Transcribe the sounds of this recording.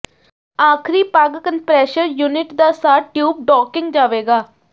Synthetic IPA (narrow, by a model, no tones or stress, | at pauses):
aːkʰɾiːpaɡkənpɾɛːʃəɾjuːnɪʈd̪aːsaːɾʈjuːb̚ɖɔːkɪ̃ŋɡd͡ʒaːʋeːɡaː